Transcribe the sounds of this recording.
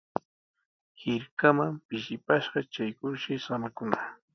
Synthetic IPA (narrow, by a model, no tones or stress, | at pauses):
hɪɾkamampɪʃɪpaʃɢɑt͡ʃajkʊɾʃajsamakʊna